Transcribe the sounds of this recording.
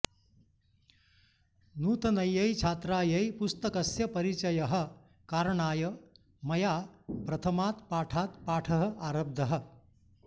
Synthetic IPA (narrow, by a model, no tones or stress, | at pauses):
nuːt̪ɐnɐjːɐjt͡ʃʰaːt̪ɾaːjɐjpust̪ɐkɐsjɐpɐɾit͡ʃɐjɐɦɐ̆ | kaːɾɳaːjɐ | mɐjaːpɾɐt̪ʰɐmaːt̪paːʈʰaːt̪paːʈʰɐɦɐ̆ʔaːɾɐb̚d̪ʱɐɦɐ̆